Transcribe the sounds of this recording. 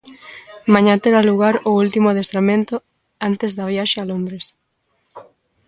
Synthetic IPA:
mãɲãt̪eɾaluɣaɾʊult̪imoaðest̪ɾamẽnt̪o | ant̪ezðaβjaʃealond̪ɾes

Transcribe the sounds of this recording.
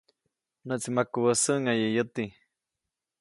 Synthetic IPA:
nəʔt͡simakuwəsəʔŋajəʔjət̪i

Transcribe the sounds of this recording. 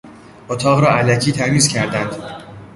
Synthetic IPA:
ot̪ʰɒːɣɾɒːʔælæcʰiːt̪ʰæɾmiːzcʲʰæɾd̪ænd̪̥

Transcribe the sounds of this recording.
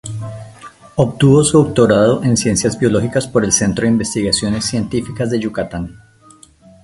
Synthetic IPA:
opt̪uβosuuk̚t̪oɾað̞o̞ʔe̞nsje̞nsjazbjo̞lo̞xikaspo̞ɾe̞lse̞nt̪ɾoðimbe̞st̪iɣasjo̞ne̞sːje̞nt̪ifikazd̪eʝukat̪an

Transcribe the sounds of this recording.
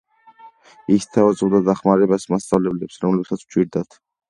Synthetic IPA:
ist̪ʰavazʼɔbd̪ad̪aχmaɾɛbasmast̪sʼavlɛblɛpsɾɔmlɛbsat̪sʰwt͡ʃʰʼiɾd̪at̪ʰ

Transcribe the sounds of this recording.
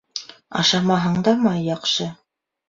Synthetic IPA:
ɑ̰ʃɑmɑɦɤɴd̪ɑmɑjɑqʃɤ

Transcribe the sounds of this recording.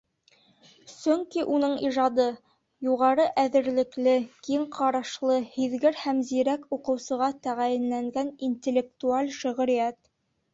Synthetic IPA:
sɵŋkiʔunɤɴiʒɑd̪ɤ | juʁɑɾɤʔæðɘ̆ɾlɘ̆klɘkiɴqʰɑɾɑʃlˠɤhiðɡɘɾhæmziɾækuqɤ̆wsɤ̆ʁɑt̪æʁæjɘ̆nlæŋɡæninʲt̪ʲelʲːek̚t̪ualʲʃɵ̆ʁɵ̆ɾijæt̪

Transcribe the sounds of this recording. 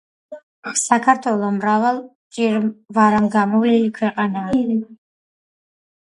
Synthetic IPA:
sakʰaɾt̪ʰwɛlˠɔmɾavalˠ | t͡ʃʼiɾvaɾamɡamɔvlilikʰwɛqʼanaː

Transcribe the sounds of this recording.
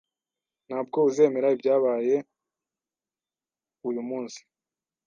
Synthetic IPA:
n̥haːb̚ɡo̞uze̞ːme̞ɾaibɟaːβaːje̞ | ujumuːnsi̥

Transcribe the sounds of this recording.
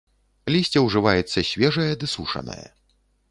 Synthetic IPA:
lʲisʲt͡sʲɛwʐɨvajɛt̪sːɐsʲvʲɛʐɐjɐd̪ɨsuʂɐ̰nɐ̰jɐ̰

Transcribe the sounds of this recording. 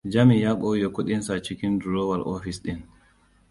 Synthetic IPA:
d͡ʒamijaɓɔwjɔkoɗinsat͡ʃikinduɾɔwalʔɔ̰fisɗin

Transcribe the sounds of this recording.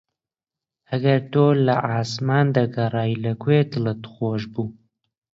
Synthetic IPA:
hɐɡɐɾt̪oːlɐʔaːsmaːnd̪ɐɡɐrˤɑːjlɐkweːt̪ɨlɨt̪ɨ̥xoːʒbuː

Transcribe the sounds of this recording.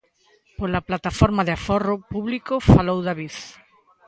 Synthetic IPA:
polaplat̪afɔɾmaðeafɔrʊpuβlikofalowðaβiθ

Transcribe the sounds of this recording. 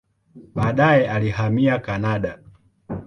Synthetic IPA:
ɓaːɗajɛaliɦamiakanaɗa

